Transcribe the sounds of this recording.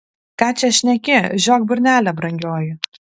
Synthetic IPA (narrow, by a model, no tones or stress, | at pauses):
kɑːt͡ʃʲɛʃʲnʲɛkʲɪʒʲoːk̚bʲʊɾʲnʲæːlʲɛbɾɐŋʲɡʲoːjɪ